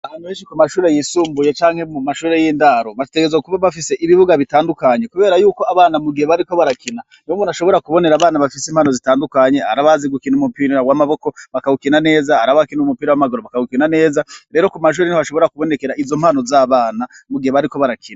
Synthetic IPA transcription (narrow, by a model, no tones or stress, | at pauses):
aanuweːnʃikumaʃuːɾe̞jisuːmbuje̞t͡ʃaːŋhe̞mumaʃuːɾe̞jiːndaɾo̞βateɡezwakuβaβafise̞ʔiβiβuɡaβitaːndukaɲe̞kuβe̞ɾajuːko̞aβaːnamuɡiheβaɾiko̞βaɾakina | nomunaʃo̞βo̞ɾakuβo̞ne̞ɾaːβaːnaβafisiːmhaːno̞zitaːndukaɲe̞aɾaβaziɡukinumupiɾawamaβo̞ko̞βakaɡukinane̞ːzaaɾaβakinumupiːɾawamaɡoɾoβakaɡukinane̞ːzaɾe̞ːɾokumaʃ̬uːɾenihoaʃo̞βo̞ɾakuβo̞ne̞ke̞ɾaʔizo̞mhaːno̞zaβaːna | muɡiheβaɾiko̞βaɾakʰina